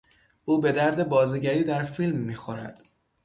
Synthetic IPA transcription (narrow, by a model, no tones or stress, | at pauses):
ʔuːbe̞d̪æɾd̪e̞bɒːziɟæɾiːd̪æɾfiːlmːiːxo̞ɾæ̰d̪̥